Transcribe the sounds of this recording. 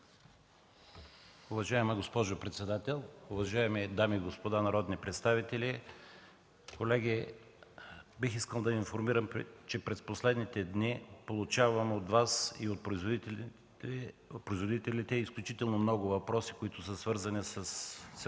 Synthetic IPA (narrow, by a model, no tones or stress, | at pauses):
ʊvɐʒaɛmɐɡospɔʒʊpɾɛt̪sɛd̪at̪ɛlˠʊvɐʒaɛmid̪amiːɡospod̪anɐɾɔd̪nipɾɛt̪st̪avit̪ɛli | kolɛɡʲi | bixiskəlˠd̪ɐinfoɾmiɾəmt͡ʃɛpɾɛsposlɛd̪nit̪ɛd̪nipolˠʊt͡ʃavɐmɛot̪vasiot̪̚pɾz | pɾoizvod̪it̪ɛlʲit̪ɛisklʲʊt͡ʃit̪ɛlˠnomnɔɡʊvɐpɾɔsi̥koit̪ʊsəsvɤɾzɐnisəsː